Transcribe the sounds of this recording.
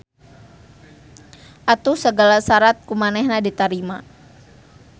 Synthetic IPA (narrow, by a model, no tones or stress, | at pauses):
ʔat̪usəɡalasaɾat̪̚kumanɛhnadit̪aɾima